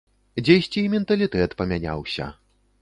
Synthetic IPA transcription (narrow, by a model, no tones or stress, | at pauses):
d͡zʲejsʲt͡sʲimʲɛnt̪ɐlʲit̪ɛt̪pɐmʲanʲa̰wsʲɐ̰